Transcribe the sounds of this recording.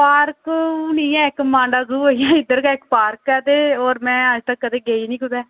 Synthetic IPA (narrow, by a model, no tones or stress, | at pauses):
paːɾkkːnĩːɛ̃ːɪkmãːɳɖaːzuːoijãːɪd̪əɾkaːɪkpaːɾkɛːd̪eːoːɾmɛ̃ːəd͡ʒt̪əkːəd̪eːɡeːinĩːkʊd̪ɛː